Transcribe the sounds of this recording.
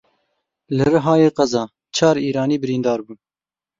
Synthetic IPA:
lɨrɨɦɑːjeːqɐzɑː | t͡ʃʰɑːɾiːɾɑːniːbɨɾiːnd̪ɑːɾbuː

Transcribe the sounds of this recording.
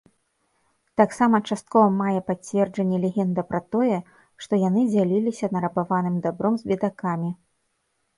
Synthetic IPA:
t̪aksamɐt͡ʂast̪̚kɔvɐmajɛpat͡sʲvʲɛrd͡ʐɐnʲːɛlʲɛɣʲɛnd̪ɐpɾɐt̪ɔjɛ | ʂt̪ɔjanɨd͡zʲalʲilʲisʲɐnɐɾɐbavanɨmd̪abɾɔmzʲbʲɛd̪akamʲi

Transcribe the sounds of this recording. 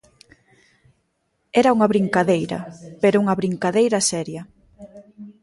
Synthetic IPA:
ɛɾɐuŋɐβɾiŋkaðejɾɐ̰peɾʊuŋɐβɾiŋkaðejɾɐsɛɾjɐ

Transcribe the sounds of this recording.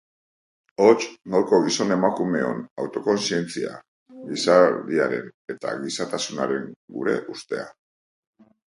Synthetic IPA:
o̞t͡ʃnoɾko̞ɣiso̞ne̞makume̞o̞nawt̪o̞ko̞nsie̞nt͡sia̰ | ɡisaðiaɾe̞̰ne̞t̪a̰ɣisat̪asuna̰ɾe̞ŋɡṵɾe̞̰ʔust̪e̞̰a

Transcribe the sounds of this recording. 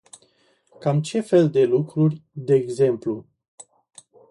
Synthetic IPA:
kamt͡ʃe̞fe̞ld̪e̞lukɾurʲd̪eːɡze̞mplu

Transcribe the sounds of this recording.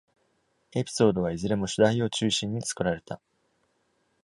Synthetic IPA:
e̞pʲi̥so̞ːd̪o̞β̞aizɨɾe̞mo̞ɕɨd̪aio̞t͡ɕɨːɕĩɲ̟ːit͡sɨ̥kɯ̟ɾaɾe̞t̪a

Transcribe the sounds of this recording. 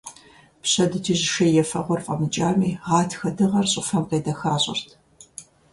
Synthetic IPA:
pɕɐdɨtʰiːʑʃɐjɛfɐʁʷɔrfʼɐmɨt͡ʃʼaːmiːʁɑːtʰxɐdɨʁɐrɕʼɪfɐmqeːdɐxaːɕʼɪ̰rtʰ

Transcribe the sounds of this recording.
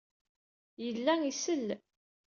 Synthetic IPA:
jəlːæisəlː

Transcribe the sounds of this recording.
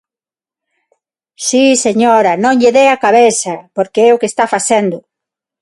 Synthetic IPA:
siseɲoɾɐnõŋʎeðeakaβeθɐpoɾkeɛʊkest̪afaθɛnd̪ʊ

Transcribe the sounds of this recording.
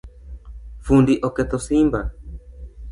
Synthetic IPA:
fundiʔɔkɛt̪osimba

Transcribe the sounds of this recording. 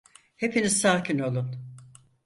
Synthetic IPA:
he̞pʰiniz̥saːcino̞lˠun

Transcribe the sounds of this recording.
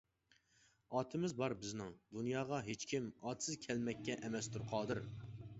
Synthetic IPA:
ɑːt̪ʰɪmɪzbɑɾbɪznɪŋd̪unjɑːʁɑɦet͡ʃkʲʰimɑːt̪ʰsɪzkʲʰɛlmɛkʲːɛʔɛmɛst̪ʰuɾqʰɑːd̪ɨɾ

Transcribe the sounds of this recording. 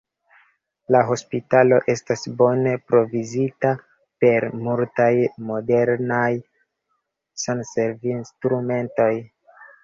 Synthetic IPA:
laɦo̞spitalo̞ʔe̞stasbo̞ne̞pɾo̞vizita | pe̞ɾmultajmo̞de̞ɾnaj | sanse̞ɾvinstɾume̞nto̞j

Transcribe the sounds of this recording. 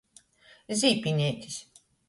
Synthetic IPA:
ziːpinʲeːt̪ʰis

